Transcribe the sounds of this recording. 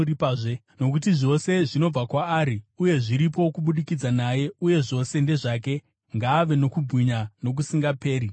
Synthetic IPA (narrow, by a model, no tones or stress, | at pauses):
ɾipaːʐe | no̞k̬ut̬iʐo̞se̞ʐino̞b͡vakwaːɾiuje̞ʐiɾip̬o̞kuɓuɗikid͡zanaje̞uje̞ʐo̞se̞nde̞ʐaːk̬e̞ | ŋɡaːʋe̞no̞kubʱwiɲano̞k̬usiŋɡape̞ːɾi